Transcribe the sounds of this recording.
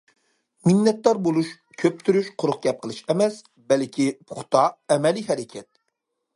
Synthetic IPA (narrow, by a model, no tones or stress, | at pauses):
minːɛt̪̚d̪ɑɾbolˠuʃ | kʲʰøp̚t̪ʰyɾyʃqʰoɾʊq̚ɡʲɛp̚qʰəlˠɨʃɛmɛs | bɛlkʲʰipʰʊχt̪ɑɛmɛliɦɛɾɛkʲʰɛt̪̚